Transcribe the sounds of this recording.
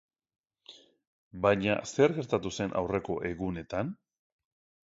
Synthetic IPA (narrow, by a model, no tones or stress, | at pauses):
bajɲa̰se̞ɾɣe̞ɾt̪at̪use̞nʔa̰wre̞ko̞ʔe̞ɣune̞t̪an